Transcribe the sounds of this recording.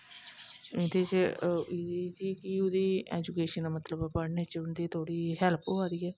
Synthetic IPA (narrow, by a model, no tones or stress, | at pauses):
ɪt̪ʰeːt͡ʃid̪iːd͡ʒiːkiːʊd̪iːɛ̰ːd͡ʒuːkeːʃənːmət̪ləbpəɽneːt͡ʃʊnd̪iːt̪ʰoːɽiːɦɛlpʰoːaːd̪iːɛː